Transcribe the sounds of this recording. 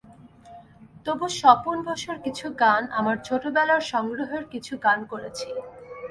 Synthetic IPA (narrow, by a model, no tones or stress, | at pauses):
t̪oboʃɔponbɔʃoɾkit͡ɕʰuɡanamaɾt͡ɕʰoʈobɛlaɾʃɔŋɡɾoɦeɾkit͡ɕʰuɡankoɾet͡ɕʰi